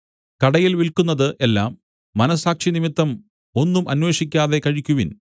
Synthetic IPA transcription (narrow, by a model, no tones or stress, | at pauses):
kɐɽɐjilʋilkunːɐðɨʔe̞lːaːmː | ɐnɐsaːkʂinimit̪ːɐm | o̞nːumʔɐnwe̞ːʂikʲːaːðe̞kɐɻikʲːuʋin